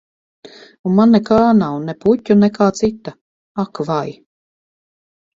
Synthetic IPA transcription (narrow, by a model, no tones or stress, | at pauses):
unmanːɛkaːnawnɛpucʲːunɛkaːt̪sit̪ːa | akvaj